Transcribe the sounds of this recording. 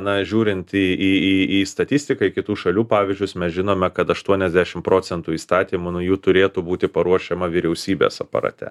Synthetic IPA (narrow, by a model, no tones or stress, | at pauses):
nɐʒʲuːɾʲɪnt̪iiːiist̪ɐt̪ʲɪsʲt̪ʲɪkɐɪkʲɪt̪uːʃɐlʲuːpɑːʋʲɪzʲd͡ʒʲʊsmʲɛsʒʲɪnoːmʲɛkɐt̪ɐʃt̪uɔnʲɛzʲd̪ʲæʃʲɪmpɾoːt͡ssʲɛnt̪uːiːst̪ɑːt̪ʲiːmʊnʊjuːt̪ʊɾʲeːt̪ubuːt̪ʲɪpɐɾuɔʃʲɛmɐʋʲiɾʲɛʊsʲiːbʲḛsɐpɐ̰ɾɐ̰t̪ʲɛ̰